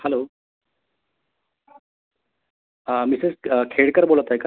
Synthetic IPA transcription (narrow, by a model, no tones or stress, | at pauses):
hɛlo | əmisezkʰeɽkəɾbolət̪aɦjka